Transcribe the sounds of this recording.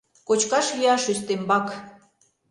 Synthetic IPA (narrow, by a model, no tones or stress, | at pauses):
kot͡ɕkɑʃjyɑʃyst̪embɑk